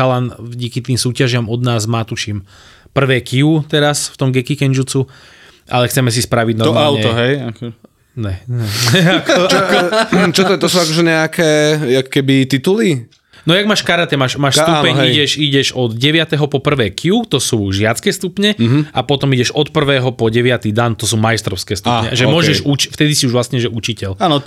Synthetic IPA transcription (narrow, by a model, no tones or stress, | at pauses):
alanvɟiːkit̪iːmsuːcaʒɪamɔd̪naːzmaːt̪uʃim | pr̩ʋɛːkiut̪ɛɾasft̪ɔmɡɛkikɛnd͡ʒut͡su | ʔa̰lɛxt͡sɛmɛs̬ispɾaʋiɟnaɔaʊɛɔɦɛjak | ɲɛnɛɛk | t͡ʃɔt̪ɔt̪ɔsuakɔʒɛɲɛakɛːakɔ̥kɛbit̪it̪uli | nɔjaɡmaːʃkaɾat̪ɛmaːʃmaːʃssupɛɲiɟɛʃiɟɛʒɔd̪ɟɛʋɪat̪ɛɦɔpɔpr̩ʋɛːkiut̪ɔsuːʒɪat͡skɛːst̪upɲɛɦapɔt̪ɔmiɟɛʒɔt̪pr̩ʋɛːɦɔpɔɟɛʋat̪id̪ant̪ɔs̬uːmajst̪ɾɔʊskɛːst̪upɲɛ̰ʒɛmʊɔʒɛʃut͡ʃft̪ɛd̪isiuʒʋlasɲɛʒɛʔut͡ʃicɛlaːnɔ